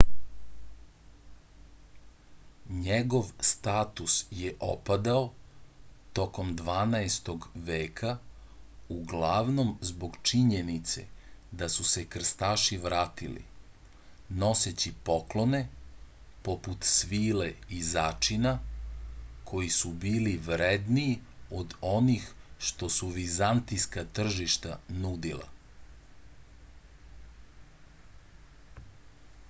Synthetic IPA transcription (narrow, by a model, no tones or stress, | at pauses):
ɲeɡo̞ʋst̪aːt̪usjeʔo̰pad̪ao | t̪o̞ko̞md̪ʋaːnaest̪o̞ɡʋeːkʰa | uɡlˠaʋno̞mzbo̞ɡt͡ʃiɲenit̪se̞̰d̪asuse̞kr̩st̪aːʃiʋɾaːt̪ilḭ | no̞set͡ɕipo̞klo̞ne̞ | po̞put̪sʋiːleizaːt͡ʃina | kʰo̞jisubiːliʋɾed̪niːod̪o̞nixʃt̪o̞suʋizant̪ijskat̪r̩ʒiʃt̪anud̪ilˠa̰